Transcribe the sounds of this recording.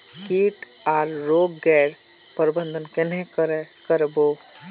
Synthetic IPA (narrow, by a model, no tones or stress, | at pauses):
kiːʈ | aːɾːoːɡːɛːɽ | pəɾbə̃nd̪ʱənkenẽkəɾkəɾboː